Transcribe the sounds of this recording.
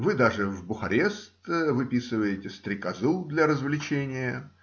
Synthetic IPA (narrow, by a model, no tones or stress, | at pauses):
vɨd̪aʐɨvbʊxɐɾʲest̪vɨpʲisɨvəjɪtʲɪst̪ɾʲɪkɐzɨlˠd̪lʲɐɾəzvlʲɪt͡ɕenʲɪjə